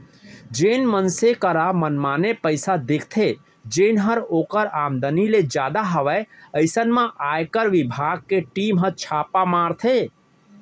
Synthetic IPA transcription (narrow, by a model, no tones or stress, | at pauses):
d͡ʒenmənsekəɾamənmanepəɪsad̪ekʰt̪ʰe | d͡ʒenɦəɾokəɾamd̪əniled͡ʒad̪aɦəʋɛəɪsənmẽʔajkəɾʋibʱaɡ̚keʈimɦə̃t͡ʃʰapamaɾt̪ʰe